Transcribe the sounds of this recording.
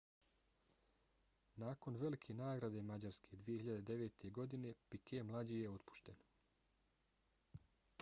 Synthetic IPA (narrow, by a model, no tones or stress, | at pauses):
naːko̞nʋe̞likʰenaːɡɾad̪e̞mad͡ʑaɾskʰe̞d̪ʋijehiʎad̪ed̪e̞ʋe̞ːt̪ʰe̞ɡo̞d̪ine̞pikʰemlˠad͡ʑijeo̞t̪pu̥ʃt̪en